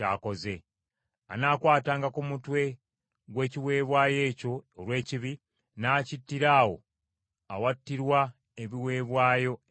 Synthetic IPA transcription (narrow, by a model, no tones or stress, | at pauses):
a̰ːko̞ze̞ | anaːkwaːtaːŋɡakumutwe̞ | ɡwe̞ːciwe̞ːβwaːje̞ːco̞ːlwe̞ːciβi | naːcitːiɾaːwo̞̰ | awatːiɾwa | eβiwe̞ːβwaːjo̞